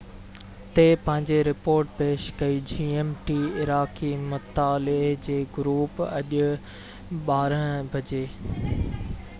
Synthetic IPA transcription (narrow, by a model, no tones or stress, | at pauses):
t̪eːpɐ̃ɦɪ̃ɲd͡ʑeɾɪpoːɾʈpeːʃkɐid͡ʑiːeːmʈiɪɾaːkimʊt̪aːlɪɦd͡ʑeːɡʊɾuːpɐʄʊ | ɓaːɾəɽ̃bʱɐd͡ʑeː